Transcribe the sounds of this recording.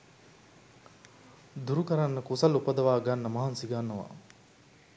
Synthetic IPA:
d̪uɾukəɾanːəkusɐlupɐd̪ɐʋaːɡanːəmɐɦansiɡanːəʋa̰

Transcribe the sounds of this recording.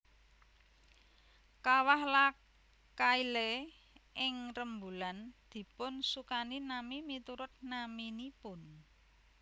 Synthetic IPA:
kawahla | kaile | ʔɪŋrəmbuland̪̥i̤pʊnsukaninamimit̪uɾʊt̪̚naminipʊn

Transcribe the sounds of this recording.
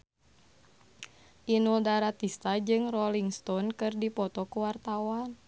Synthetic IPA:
ʔinuldaɾat̪ist̪ad͡ʒɨŋrɔliŋst̪ɔnkɨrdipɔt̪ɔkuwart̪awan

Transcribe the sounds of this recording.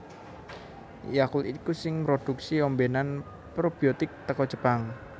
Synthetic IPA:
jakulikusɪŋpɾod̪̥uksiɔmbenan | pɾob̥iot̪ɪk̚t̪əkɔ̥d͡ʒəpaŋ

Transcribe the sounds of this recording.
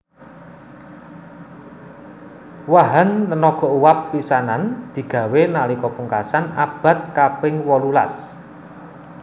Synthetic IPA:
waɦant̪ənɔɡ̥ɔ̤ʔuwapːisanand̪̥i̤ɡ̥ä̤wenalikɔpuŋkasana̰b̥a̤t̪̚kapɪŋwɔlula̰s

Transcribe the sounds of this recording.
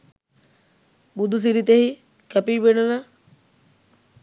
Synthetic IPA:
bud̪us̬iɾit̪ehi | kæpiːʋenəla

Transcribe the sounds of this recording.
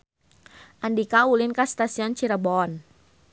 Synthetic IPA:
ʔandikaulinkast̪asiɔnt͡ʃiɾəbɔn

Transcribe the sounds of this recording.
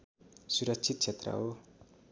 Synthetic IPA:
suɾʌkt͡sʰit̪̚t͡sʰet̪rʌ̰ɦo

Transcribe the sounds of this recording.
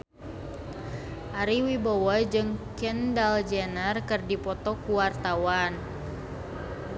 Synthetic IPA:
ʔaɾiwibɔwɔd͡ʒɨŋkɛndald͡ʒɛnərkɨrdipɔt̪ɔkuwart̪awan

